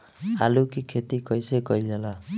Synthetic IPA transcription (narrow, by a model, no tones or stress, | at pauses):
alukikʰet̪ikʌjsekʌjd͡ʒala